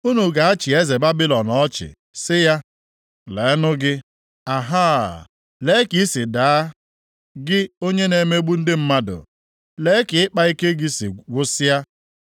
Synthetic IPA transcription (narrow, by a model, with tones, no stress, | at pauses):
u˦nu˨ɡa˨a˦t͡ʃɪ˨e˦ze˨ba˦bi˦lɔ˨nɔ˦t͡ʃɪ̰˨ | sɪ˦ja˦ | le˨˦nʊ˦ɡɪ˦ | a˨ɦaː˦˨ | le˨˦ki˦sɪ˨daː˨a˦ | ɡɪ˦o˦ɲe˦ne˨me˦ɡ͡bu˦n̩˦dɪ˦m̩˦ma˦dʊ̰˨ | le˨˦kɪ˨ɪ˦k͡pa˦i˦ke˦ɡɪ˦sḭ˨ɡʷʊ˦sɪ˦ja˦